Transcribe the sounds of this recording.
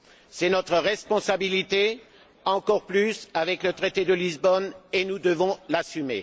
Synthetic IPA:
sɛnɔt̪χəʁɛspɔ̃sabilit̪e | ɑ̃kɔʁplysavɛklət̪χet̪ed̪əlizbɔnenud̪əvɔ̃lasymḛ

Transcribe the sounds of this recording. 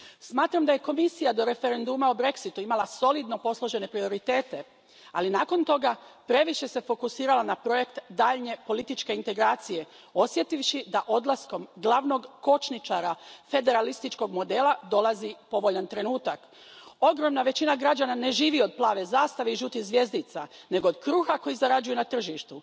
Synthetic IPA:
smaːt̪ɾamd̪aje̞ko̞misijad̪o̞ɾe̞fe̞ɾe̞nd̪umaobɾe̞ksit̪uimalˠaso̞lid̪no̞po̞slˠo̞ʒe̞ne̞pɾio̞ɾit̪e̞ːt̪e̞ | a̰linaːko̞nt̪o̞ɡapɾe̞ʋiʃe̞se̞fo̞kusiːɾalanapɾo̞je̞kt̪d̪aːʎɲe̞po̞lit̪it͡ʃke̞int̪e̞ɡɾaːt̪sije̞ | o̞sje̞t̪iʋʃid̪aʔo̞d̪lˠasko̞mɡlˠaʋno̞ɡko̞t͡ʃnit͡ʃaɾafe̞d̪e̞ɾalist̪it͡ʃko̞ɡmo̞d̪e̞ːlˠad̪o̞lˠazipo̞ʋo̞ʎant̪ɾe̞nuːt̪ak | o̞ɡɾo̞mnaʋe̞t͡ɕinaɡɾad͡ʒanane̞ʒiːʋio̞d̪̚plˠaːʋe̞zaːst̪aʋeiʒuːt̪izʋje̞zd̪it̪sane̞ɡo̞od̪kɾuːxakojizaɾad͡ʒujunat̪r̩ʒiʃt̪u

